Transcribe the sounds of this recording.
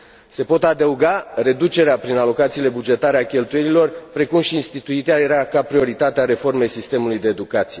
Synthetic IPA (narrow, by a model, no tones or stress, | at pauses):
se̞po̞t̪ad̪əuɡare̞d̪ut͡ʃe̞ɾeapɾinalo̞kat̪siːle̞bud͡ʒe̞t̪aɾe̞akʲe̞lt̪ujenilo̞rpɾe̞kumʃiːnst̪it̪uit̪eajeɾeakapɾio̞ɾit̪at̪eaɾe̞fo̞rme̞jsist̪e̞mulujd̪e̞ːd̪ukat̪sije